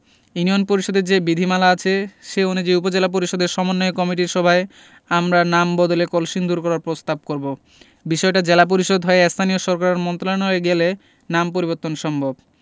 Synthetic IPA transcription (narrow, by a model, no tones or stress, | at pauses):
junijonpoɾiʃod̪eɾd͡ʑebid̪ʱimalaat͡ɕʰeʃeonud͡ʑejupod͡ʑelap̬oɾiʃod̪eɾʃɔmonːoekɔmiʈiɾʃɔbʱae | amɾanambɔd̪olekolʃind̪uɾkɔɾaɾpɾost̪ab̚koɾbo | biʃɔeʈad͡ʑelap̬oɾiʃod̪ɦɔeest̪ʰanijoʃɔɾkaɾeɾmɔnt̪ɾolanoeɡele | nampoɾiβoɾt̪ːonʃɔmbʱob